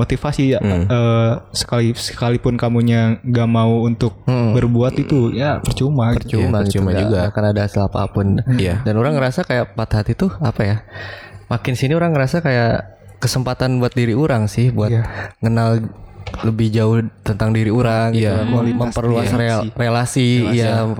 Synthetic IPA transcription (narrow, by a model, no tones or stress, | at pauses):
mot̪ifasijaəːsə̥kalisə̥kalipʊnkamuɲaŋɡamauunt̪ʊk̚m̩bərbuat̪it̪ujapərt͡ʃumaərt͡ʃumait͡ʃumaad͡ʒɡakanadahasilapa̰pʊnjadanoɾaŋːəɾasakajaʔpat̪hat̪it̪ʊapaja | makɪnsiniuɾaŋːəɾasakaja | kəsəmpat̪anbuat̪̚diɾiuɾaŋsɪhbuaŋənalləbɪhd͡ʒaʊht̪ənt̪aŋdiɾiuɾaŋjamliməmpərluaserelasija